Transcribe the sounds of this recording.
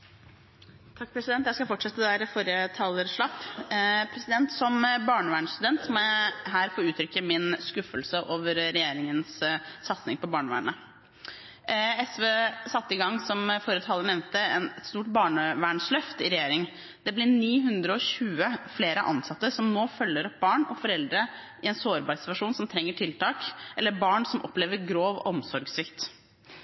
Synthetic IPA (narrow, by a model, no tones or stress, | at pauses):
t̪ʰɑk̚ːpʰɾɛsɪd̪ɛnt̪jæɪskɑfɔʈʂɛt̪ːəd̪æːɾfoːɾjət̪ʰɑːləɾʂɭɑpːpʰɾɛsɪd̪ɛnt̪sɔmbɑːɳəʋæːɳst̪ʉd̪ɛnt̪sɔmɔɦæːɾfoːɾʉːt̪ʰɾʏkːəmɪnskʉfəlsəʔoːʋəɾɾɛjeːɾɪŋənssɑt̪snɪŋpʰɔbɑːɳəʋæ̰ːɳə | ɛsʋeːsɑt̪ːəɪɡɑŋːsɔmfoːɾət̪ʰɑːlːənɛʋnt̪əɛnɛt̪st̪uːʈ̚bɑːɳəʋæːɳslœft̪ɪɾɛjeːɾɪŋ | d̪ɛblɪniːɦʉnd̪ɾəɔçʉːəfleːɾəʔɑ̰nsɑt̪ːəsɔmnoːfœlːəɾɔp̚bɑːɳɔfɔɾɛld̪ɾə | ɪɛnsoːɾbɑːɾsɪ̥t̪ʋɑʂuːnsɔmt̪ʰɾɛŋːəʈʰɪlt̪ɑːkʔɛlːəɾbɑːɳsɔmʔɔpleːʋəɾɡɾoːʋɔ̰ɔmsɔɾɡsʋɪkt̪